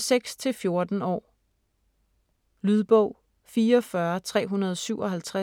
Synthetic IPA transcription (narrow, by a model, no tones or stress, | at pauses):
seɡ̥st͡sʰe̝lfjo̝ɐd̥n̩ɒ̰ː | lyðˠb̥ɔʊ̰ | fiːɐɒfɶɐt͡sʰʁɛ̰ːɦunɐð̞ˠsyʊɒ̽ɦælt͡sʰʁa